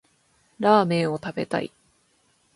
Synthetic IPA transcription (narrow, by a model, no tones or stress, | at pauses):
ɾaːmẽ̞ːo̞t̪abe̞̰t̪a̰ḭ